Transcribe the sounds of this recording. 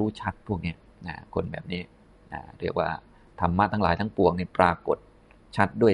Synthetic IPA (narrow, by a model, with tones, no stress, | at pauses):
uː˦˥t͡ɕʰa˦˥t̪̚pʰu˥˩ək̚ni˦˥ɐ | na̰ː˧˩kʰo˧nbɛ̰ː˨˩p̚niː˦˥ | ʔa̰ː˧˩ɾi˥˩ək̚wa̰ː˥˩ | t̪ʰa˧mːa˦˥t̪ʰaː˦˥˩laː˩˦jt̪ʰa˦˥ŋpu˨˩əŋniː˥˩pɾaː˧ko˨˩t̪̚ | t͡ɕʰa˦˥t̪̚du˥˩ə